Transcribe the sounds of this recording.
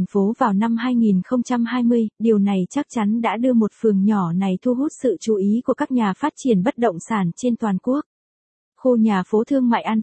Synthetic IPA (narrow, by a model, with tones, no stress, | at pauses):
ŋ̟fo˨˦vaː˨˩wna˧mhaː˧jŋi˨˩nxə˧wŋ͡mt͡ɕa˧mhaː˧jmɨ˧əjɗi˨˩əwna˨˩jt͡ɕa˦˥k̚t͡ɕa˨˦nɗa̰ː˧˥ɗɨ˧əmo˨˩t̚fɨ˨˩əŋɲɔ˧˩na˨˩jt̪ʰu˧ɦu˦˥t̚sɨ̰˧˨t͡ɕu˨˩ʔi˨˦ku˧˩əkaː˦˥k̚ɲaː˨˩faː˦˥t̚t͡ɕi˧˩ənɓə˦˥t̚ɗə̰˧˨wŋ͡msaː˧˩nt͡ɕe˧nt̪waː˨˩nku˦˥ək̚ | xo˧ɲaː˨˩fo˨˦t̪ʰɨ˧əŋma̰ː˧˨jʔa˧n